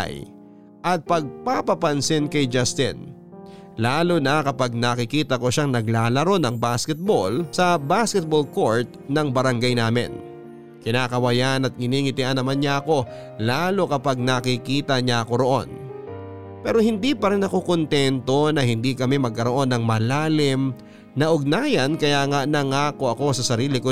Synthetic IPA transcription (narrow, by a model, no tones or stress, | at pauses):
j | ʔɐt̪̚pɐɡ̚papɐpɐnsɪnkɐjd͡ʒɐst̪ɪ̰n | laːlonɐkɐpaɡ̚nɐkɪkiːt̪ɐko̞ʃaŋnɐɡlaːlɐɾo̞nɐŋbaskɛt̪̚bolsɐbaskɛt̪̚bolko̞ɹt̪̚nɐŋbɐɾɐŋɡajnaːmɪ̰n | kɪnaːkɐwɐjanɐt̪̚kɪniːŋɪt̪ɪʔanːɐmanɲaʔɐko̞ | laːlo̞kɐpaɡ̚nɐkɪkiːt̪ɐɲaʔɐko̞ɾo̞ʔo̞̰n | pɛːɾo̞hɪnd̪ipɐɾɪnːɐko̞kont̪ɛnt̪o̞nɐhɪnd̪ikɐmɛmɐɡ̚kɐɾo̞ʔo̞nːɐŋmɐlaːlɪm | nɐʔʊɡ̚naːjɐnkɐjaːŋaʔnɐŋaːko̞ʔɐko̞sɐsɐɾiːlɪko